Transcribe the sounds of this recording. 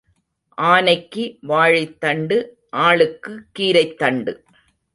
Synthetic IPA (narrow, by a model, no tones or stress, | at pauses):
ʔaːnɐɪkːiʋaːɻɪt̪ːɐɳɖɯ | ʔaːɭɯkːɯkːiːɾɐɪt̪ːɐɳɖɯ